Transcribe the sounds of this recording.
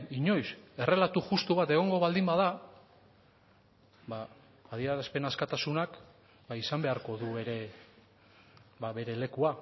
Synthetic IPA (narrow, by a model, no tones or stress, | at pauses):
iɲo̞jse̞re̞lat̪uʝust̪uβat̪e̞ɣ̞o̞ŋɡo̞βald̪imbaða | baː | ðiaɾaspe̞naskat̪asunak | baisambe̞aɾko̞ðue̞ɾe̞ | baβe̞ɾe̞le̞kua